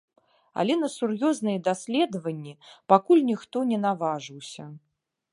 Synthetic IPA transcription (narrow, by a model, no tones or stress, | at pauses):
a̰lʲɛn̪ɐsurjɔznɨjɛd̪asʲlʲɛd̪ɐvɐnʲːipakulʲnʲixt̪ɔnʲɛnavaʐɨwsʲɐ